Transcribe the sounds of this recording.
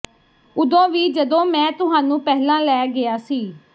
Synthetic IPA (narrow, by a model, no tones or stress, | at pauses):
ʊd̪õːʋiːd͡ʒəd̪õːmɛ̃ːt̪ʊɦaːnũːpɛɦlãːlɛːɡɪaːsiː